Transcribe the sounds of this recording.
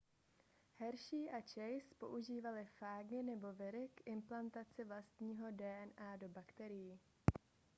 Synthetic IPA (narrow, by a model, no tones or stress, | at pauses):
hɛɾʃiːʔat͡ʃɛjspo̞̰ʔuʒiːvalɪfaːɡɪnɛbo̞vɪɾɪkʔɪmplant̪at͡sɪvlast̪ɲiːɦo̞dɛːʔɛnʔaːdo̞bakt̪ɛɾɪji